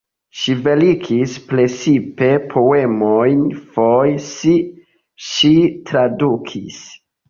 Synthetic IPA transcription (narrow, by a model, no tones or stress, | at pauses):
ʃive̞likʰispɾe̞sipe̞pʰoe̞mojnfojsi | ʃitɾadukʰḭs